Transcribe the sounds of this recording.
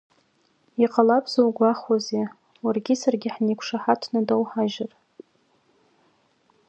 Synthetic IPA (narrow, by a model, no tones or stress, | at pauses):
iqʼalapʰʼzowɡʷaχwaze | warɡʲɪsarɡʲɪħnekʷʰʂaħatʰnadowħaʒar